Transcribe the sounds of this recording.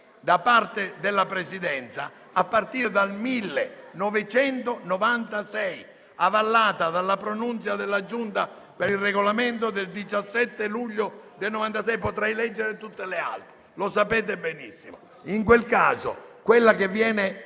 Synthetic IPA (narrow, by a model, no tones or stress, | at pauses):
d̪apart̪ed̪ɪlːapɾesid̪ɛnt̪sa̰ | apːart̪iːɾd̪almilːenɔvɪt͡ʃɛnt̪onɔvant̪asɛj | avalːaːt̪ad̪alːapɾonunt̪sjad̪elːad͡ʒunt̪a | peɾilrːeɡolament̪̬od̪eld̪it͡ʃasːɛt̪ːeluʎːʊd̪elnɔvant̪asɛjpot̪ɾɛjlɛd͡ʒːeɾɪt̪ut̪ːelɪa̰lt̪ɾe | losapɛːt̪̬ebɛnisːimo | iŋk̬welka̰ːzo̰kwelːakevːjɛːnɪ